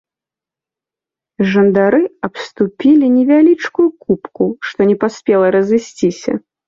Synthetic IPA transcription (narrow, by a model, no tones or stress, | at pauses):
ʐɐnd̪aɾɨɐpst̪upʲilʲinʲɛvʲalʲit͡ʂkujukupkuʂt̪ɔnʲɛpasʲpʲɛlˠɐɾɐzɨsʲt͡sʲisʲɐ̰